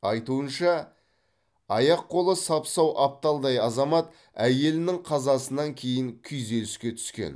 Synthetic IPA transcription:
ɑjt̪uənʃɑ | ɑjɑqʰːo̞lˠəsɑpsɑwʔɑp̚t̪ɑlˠd̪ɑjɑzɑmɑt̪ | æje̞lɪnɪŋqʰɑzɑsənɑŋkʲʰe̞jɪŋkʲʰʏjze̞lɪskʲe̞t̪ʰʏ̥skʲe̞̰n

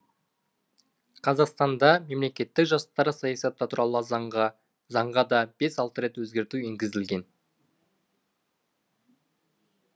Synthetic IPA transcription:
qʰɑzɑqst̪ɑnd̪ɑme̞mle̞kʲe̞t̪ːɪkʒɑst̪ɑɾəsɑjɑsɑt̪ːɑt̪ʰuɾɑlˠəzɑɑ | zɑɴʁɑd̪ɑb̥e̞sɑlˠt̪əɾe̞t̪wɵzɡʲe̞ɾt̪ueŋɡʲɪzɪlɡʲe̞n

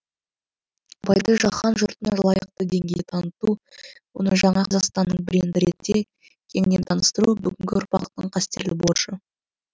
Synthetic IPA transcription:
bɑjd̪əʒɑχɑnʒʊɾt̪ənlˠɑjəq̚t̪əd̪e̞ŋɡʲe̞jt̪ʰɑnət̪uwo̞̰nəʒɑɴɑqʰɑzɑqst̪ɑnːəɴbɪɾend̪ɪɾe̞t̪ːe̞ | kʲʰe̞ŋne̞nt̪ʰɑnəst̪əɾubʏɡʲɪŋɡʲɪʊɾpɑqt̪əɴqʰɑst̪e̞ɾlɪboɾʃə

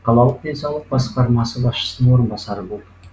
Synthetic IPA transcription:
qʰɑlˠɑlˠəq̚d̪ensɑwlˠəq̚bɑsqɑɾmɑsəbɑsʃə̥sənəɴwo̞ɾənbɑsɑɾəbo̞lˠd̪ə

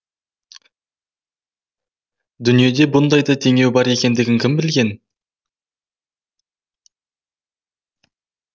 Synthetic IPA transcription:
d̪ʏnije̞d̪e̞bʊnd̪ɑjd̪ɑt̪ʰe̞ŋe̞wbɑɾe̞kʲe̞nd̪ɪɡʲɪŋkʲʰɪmbɪlɡʲe̞n

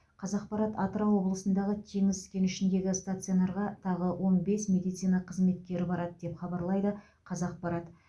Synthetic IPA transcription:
qʰɑzɑq̚pɑɾɑt̪ɑt̪əɾɑwo̞blˠəsənd̪ɑʁət̪ʰe̞ŋɪzɪkʲe̞nʏʃɪnd̪e̞ɡʲɪst̪at̪sɨionɑɾʁɑt̪ʰɑʁəwʔo̞nbe̞smʲe̞d̪ijt̪sɨjnɑqʰəzme̞t̪̚kʲe̞ɾɪbɑɾɑd̪əd̪e̞pχɑbɑɾlˠɑjd̪ə | qʰɑzɑq̚pɑɾɑt̪

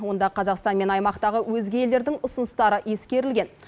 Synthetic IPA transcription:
wo̞nd̪ɑqʰɑzɑqst̪ɑnme̞nɑjmɑqt̪ɑʁəwɵzɡʲejeld̪e̞ɾd̪ɪŋʊsʊnəst̪ɑɾəʔe̞skʲe̞ɾɪlɡʲe̞n

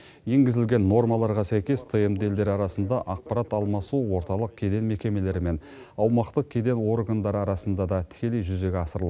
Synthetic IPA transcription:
je̞ŋɡʲɪzɪlɡʲe̞nːo̞rmɑlˠɑɾʁɑsæjkʲe̞st̪ʰemd̪e̞ld̪e̞ɾɑɾɑsənd̪ɑʔɑq̚pɑɾɑt̪ɑlˠmɑsuwo̞ɾt̪ɑlˠəq̚kʲʰe̞d̪e̞nme̞kʲe̞me̞le̞ɾɪme̞n | ɑwmɑqt̪əq̚kʲʰe̞d̪e̞nwo̞ɾɡand̪ɑɾəɑɾɑsənd̪ɑd̪ɑt̪ʰɪ̥kʲe̞le̞jʒʏze̞ɡʲeɑsəɾəlˠɑ

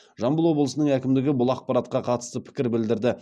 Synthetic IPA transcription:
ʒɑmbəlˠwo̞blˠəsənəɴækʲɪmd̪ɪɡʲɪbʊlˠɑq̚pɑɾɑt̪̚qɑqʰɑt̪ə̥st̪əpʰɪ̥kʲɪɾbɪld̪ɪɾd̪ɪ

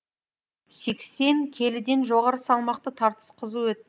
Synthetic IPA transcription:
se̞kse̞ŋkʲʰe̞lɪd̪e̞nʒo̞ʁɑɾəsɑlˠmɑqt̪ət̪ʰɑɾt̪ə̥sqʰəzəwɵt̪

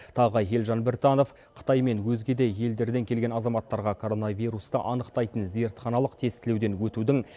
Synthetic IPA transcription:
t̪ʰɑʁəe̞lʒɑnbeɾt̪ɑno̞f | qʰə̥t̪ɑjme̞nwɵzɡʲe̞d̪e̞je̞ld̪e̞ɾd̪e̞ŋkʲʰe̞lɡʲe̞nɑzɑmɑt̪ːɑɾʁɑkʰo̞ɾo̞navʲijɾust̪əʔɑnəqt̪ɑjt̪ənze̞ɾt̪χɑnɑlˠəqt̪ʰe̞st̪ɪle̞wd̪e̞nwɵt̪ud̪ɪŋ

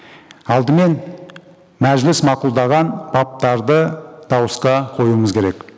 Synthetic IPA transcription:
ɑlˠd̪əme̞n | mæʒlɪsmɑqulˠd̪ɑʁɑnbɑp̚t̪ɑɾd̪əd̪̥ɑwəsqɑqʰo̞juəməzkʲʰe̞ɾe̞k

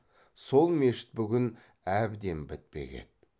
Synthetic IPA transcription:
so̞lˠme̞ʃɪ̥t̪̚bʏɡʲɪn | æbd̪e̞mbɪt̪̚pe̞̰ɡʲe̞̰d̪̥

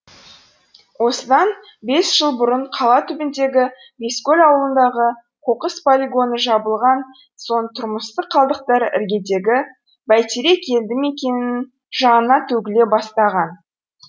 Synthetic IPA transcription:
wo̞səd̪ɑn | be̞sʒ̥əlˠbʊɾəɴqʰɑlˠɑt̪ʰʏbɪnd̪e̞ɡʲɪ | be̞skʲolʲɑwəlˠənd̪ɑʁə | qʰoqəspʰolʲiɡo̞nəʒɑbəlˠʁɑn | so̞nt̪ʰʊɾməst̪əqʰːɑlˠd̪əq̚t̪ɑɾɪ̰ɾɡʲe̞d̪e̞ɡʲɪ | bæjt̪eɾe̞kʲʰe̞ld̪ɪme̞kʲe̞nɪɪn | ʒɑnənɑt̪ʰɵɡʲɪle̞bɑst̪ɑʁɑn

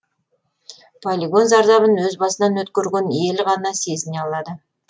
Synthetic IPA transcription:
pʰolʲiɡo̞nzɑɾzɑβənwɵzbɑsənɑnwɵt̪kʲeɾɡʲene̞lʁɑnɑse̞zɪneɑlˠɑd̪ə

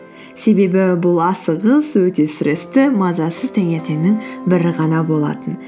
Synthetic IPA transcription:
se̞be̞bɪbʊlˠɑsəʁəswɵt̪e̞sɪɾʔɪst̪ɪmɑzɑsəzt̪ʰæŋe̞ɾt̪e̞nnɪŋbɪɾɪʁɑnɑbo̞lˠɑ̰t̪ən

